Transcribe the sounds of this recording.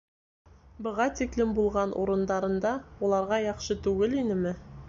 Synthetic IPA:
bɤ̆ʁɑt̪iklɘmbulˠʁɑnʔṵɾɤ̆nd̪ɑɾɤ̆nd̪ɑulˠɑɾʁɑjɑχʃɤt̪ʉɡɘlinɘmɘ

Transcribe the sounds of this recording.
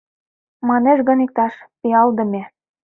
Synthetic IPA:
mɑneʃɣɤ̆nik̚t̪ɑʃpiɑld̪ɤ̆mʲe

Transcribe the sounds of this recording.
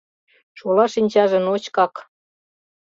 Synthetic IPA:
t͡ɕulɑʃinʲt͡ɕɑʒə̆not͡ɕkɑk

